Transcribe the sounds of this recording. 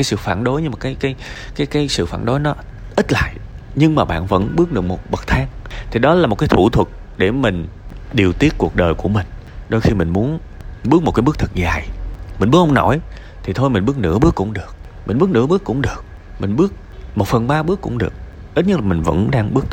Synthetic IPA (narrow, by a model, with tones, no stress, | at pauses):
ka˨˦jsɨ̰˧˨faː˧˩nɗo˨˦jɲɨ˧maː˨˩kaː˨˦jkaː˨˦jkaː˨˦jkaː˨˦jsɨ̰˧˨faː˧˩nɗo˨˦jnɔ˨˦ | ʔi˦˥t̚la̰ː˧˨jʔ | ɲɨ˧ŋmaː˨˩ɓa̰ː˧˨nvə̰˧˥nɓɨ˦˥ək̚ɗɨ˨˩ək̚mo˨˩t̚ɓə˨˩k̚t̪ʰaː˧ŋt̪ʰi˨˩ɗɔ˨˦la˨˩mo˨˩t̚kaː˨˦jt̪u˧˩t̪ʰwə˨˩t̚ | ɗe˧˩mï˨˩ŋ̟ | ɗi˨˩əwt̪i˦˥ət̚ku˨˩ək̚ɗəː˨˩jku˧˩əmï˨˩ŋ̟ɗo˧jxi˧mï˨˩ŋ̟mu˨˦ənɓɨ˦˥ək̚m̚˨˩kaː˨˦ɓk̚t̪ʰɨ˨˩k̚zaː˨˩jmi̟˨˩ɓɨ˦˥k̚ʔa˧ŋ͡mnɔ̰˧˩j | t̪ʰi˨˩t̪ʰo˧jmi˨˩ŋ̟ɓɨ˦˥ək̚nɨ̰˧˥əɓɨ˦əkːʊ̰˧˥ŋ͡mɗɨ˨˩ək̚ | mï˨˩ŋ̟ɓɨ˦˥ək̚nɨ̰˧˥əɓɨ˦˥əkːʊ̰˧˥ŋ͡mɗɨ˨˩ək̚ | mï˨˩ŋ̟ɓɨ˦˥ək̚ | mo˨˩t̚fə˨˩nɓaː˧ɓɨ˦˥əkːʊ̰˧˥ŋ͡mɗɨ˨˩ək̚ | ʔi˦˥t̚ɲə˦˥t̚laː˨˩mi˨˩ŋ̟və̰˧˥nɗaː˧ŋɓɨ˦˥ək̚t̪